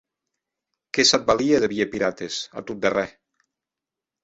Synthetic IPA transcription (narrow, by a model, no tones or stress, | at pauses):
kɛsat̪̚balieðeβiepiɾat̪esa̰t̪ut̪̚d̪erɛ